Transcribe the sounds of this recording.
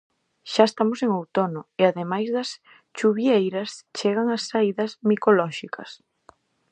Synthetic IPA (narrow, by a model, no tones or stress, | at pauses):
ʃaest̪amoseŋowt̪onʊeaðemajzðɐs | t͡ʃuβjejɾɐst͡ʃeɣaŋɐsːaiðɐsmikolɔʃikʰɐ̰s